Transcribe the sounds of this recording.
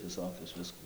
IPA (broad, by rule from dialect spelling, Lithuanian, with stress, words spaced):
ʋʲɪˈsoːkʲʊs ˈʋʲɪskʊ